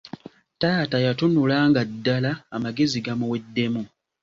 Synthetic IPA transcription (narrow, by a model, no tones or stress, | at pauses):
taːtajatunulaːŋɡadːalaːmaɡe̞ziɡamuwe̞dːe̞mu